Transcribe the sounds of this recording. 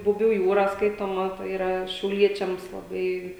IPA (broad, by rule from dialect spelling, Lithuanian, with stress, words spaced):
bʊˈbʲuː ˈjuːrɐ ˈskɐɪtoːmɐ tɐɪ iːˈrɐ ʃʲɛʊˈlʲiɛt͡ʃʲɛms lˠɐˈbɐɪ